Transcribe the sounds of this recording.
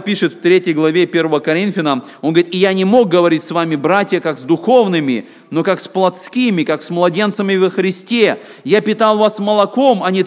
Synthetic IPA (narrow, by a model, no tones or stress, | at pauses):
pʲiʂɨt̪ft̪ɾʲetʲjəjɡlˠɐvʲe̞pʲe̞ɾvəvəkɐɾʲinfʲɪnəm | onɡəɾit̪ɪjanʲɪmo̞k̚ɡəvɐɾʲitʲsvamʲɪbɾatʲjəkakzd̪ʊxo̞vnɨmʲɪ | no̞kaksplˠɐt̪skʲimʲɪkaksmlˠɐdʲe̞nt̪səmʲɪvəxɾʲɪsʲtʲe | japʲɪt̪alˠvasmɐlˠɐko̞mɐnʲɪ